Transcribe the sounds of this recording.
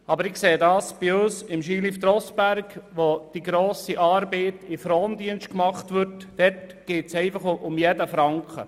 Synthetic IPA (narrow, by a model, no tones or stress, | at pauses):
ɑbəɾɪkseːdɑːsb̥ɪøːsɪmʃiːlift̪ɾɔsb̥æɾkʋod̥iɡɾoːsiʔɑːɾbɛːtɪfɾoːndiənʃt̚kmɑχt̪ʋʏtdɛtɡ̥eːtsɛɪfɑχʔʊmjɛdəfɾɑŋkχə̰